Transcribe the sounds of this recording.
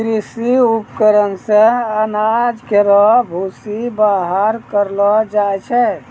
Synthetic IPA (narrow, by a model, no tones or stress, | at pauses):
kɾisiupkəɾənsẽənad͡ʒkeɾɔbʱusibaɦəɾkəɾlɔd͡ʒaɛt͡ʃʰɛ